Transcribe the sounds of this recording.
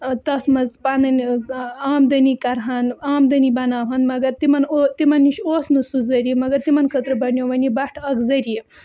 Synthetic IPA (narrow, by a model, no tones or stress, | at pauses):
t̪ɐsmɐzpɐnɐnʲaːmd̪ɐnikɐɾɦɐnaːmd̪ɐnibɐnaːɦɐnmɐɡɐɾt̪imɐnot̪imɐnːiʃoːsnusuzɐɾiimɐɡɐɾt̪imɐnkʰɐt̪ɾɨbɐnjoʋɐnʲibɐʂʈʰɐkzɐɾii